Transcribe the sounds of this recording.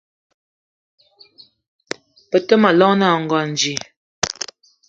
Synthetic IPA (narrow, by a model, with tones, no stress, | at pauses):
pə˨tə˦ma˨lɔ˦ŋna˦˨ŋ̩˨ɡɔ˨n˨d͡ʒi˨